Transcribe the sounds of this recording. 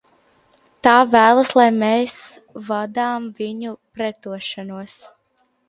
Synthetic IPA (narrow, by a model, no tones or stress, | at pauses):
t̪aːvæːlˠaslˠajmeːs | vad̪aːmviɲupɾɛt̪uɔʃanuɔs